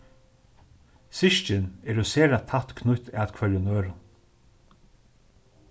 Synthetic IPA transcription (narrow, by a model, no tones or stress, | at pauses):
sɪʃt͡ʃɪnɛɾʊseːɾat̪ʰat̪kʰnʊt̪æːt̪kʰvœlʊnøːɾʊn